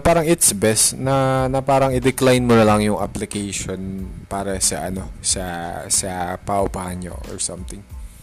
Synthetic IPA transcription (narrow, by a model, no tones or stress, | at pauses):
paːɾɐŋɪt̪sbɛst̪nɐnɐpaːɾɐŋɪd̪ɛklajnmonɐlɐŋjʊŋʔa̰plɪkɛjʃonpaːɾɐsɐʔɐno̞sɐsɐpaʔʊpaːhɐnɲo̰ʔɔ̰ɹsɐmt̪ɪŋ